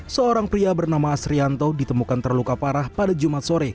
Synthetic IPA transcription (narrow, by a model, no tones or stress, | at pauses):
səoɾaŋpɾiabərnamaːsɾiant̪odit̪əmukant̪ərlukapaɾahpadad͡ʒumat̪̚soɾe